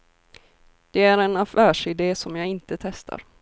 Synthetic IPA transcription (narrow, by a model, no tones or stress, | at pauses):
d̪̥ɛæɾɛnafæːʂɪd̪eːsɔmjɑɪnt̪ət̪ʰɛst̪ʰa̰ɾ